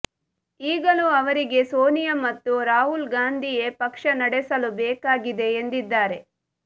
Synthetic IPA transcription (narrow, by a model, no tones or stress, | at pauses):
iːɡɐluɐʋɐɾiɡe̞soːnijɐmɐt̪ːuɾaːɦulɡaːnd̪ʱije̞pɐkʂɐnɐɽɛsɐlubɛːkaːɡid̪e̞ːnd̪id̪ːaːɾe̞